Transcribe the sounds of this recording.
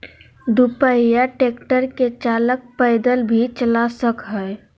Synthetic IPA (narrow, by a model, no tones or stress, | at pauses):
d̪upəijaʈeːkʈəɾket͡ʃaːlək̚pəjɪd̪əlbʱit͡ʃəlasəkɦəj